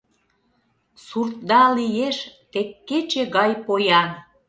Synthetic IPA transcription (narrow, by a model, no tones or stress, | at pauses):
surt̪̚d̪ɑlijeʃt̪ekːet͡ɕeɣɑjpojɑn